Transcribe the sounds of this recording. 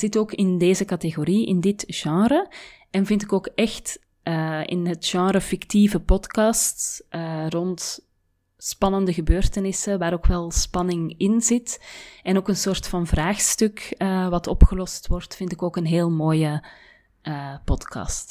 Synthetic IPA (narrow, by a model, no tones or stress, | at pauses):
z̥ɪtoːkɪndeːzəkɑteɣoɾiɪ̰ndɪtʒ̥ɑ̃ːɾə | ɛnvɪntɪkoːkɛxt | əːɪ̰nɦətʒ̥ɑ̃ːɾəfɪktivəpɔtkɑstʔərɔnt | spɑnəndəɣəbøːrtənɪsəʋaːɾoːkʋɛlˠspɑnɪŋɪnzɪtɛnoːkənsoːrtfɑnvraːxstʏkəːʋɑtɔpxəlɔstwɔrtfɪntɪkoːkənɦeːlˠmoːjəː | pɔtkʰɑ̰st